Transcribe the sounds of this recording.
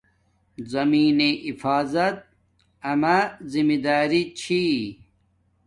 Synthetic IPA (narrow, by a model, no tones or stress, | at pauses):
zɐmiːneʔifaːzɐt̪̚ | ɐmazimid̪aːɾit͡ɕʰi